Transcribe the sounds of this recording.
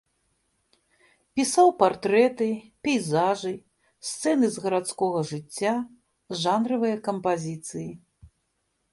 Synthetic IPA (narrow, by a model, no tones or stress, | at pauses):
pʲisawpart̪ɾɛt̪ɨpʲɛjzaʐɨ | sʲt̪sɛnɨzɣɐɾat̪skɔɣɐʐɨt͡sʲːa | ʐanɾɐvɨjɐkɐmpazʲit̪sɨji